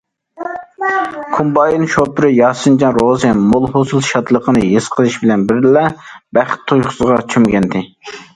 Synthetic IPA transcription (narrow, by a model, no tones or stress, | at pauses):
kʰumbɑjinʃopɪɾɪjɑːsɨnd͡ʒɑnɾozɨmolˠhosɨlˠʃɑt̪lˠəqʰənɨjesqʰəlˠɨʃbɪlɛnbɪɾlɛbæχt̪ʰːojχʊ̥səʁɑt͡ʃʰymɡʲɛnd̪ɪ